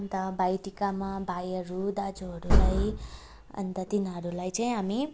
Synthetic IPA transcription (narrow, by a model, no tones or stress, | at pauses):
nt̪ʌbajʈikamabʱajəɾud̪ad͡ʒuɦʌɾulaj | ə̰nt̪ət̪inaɦɾulajt͡sãĩami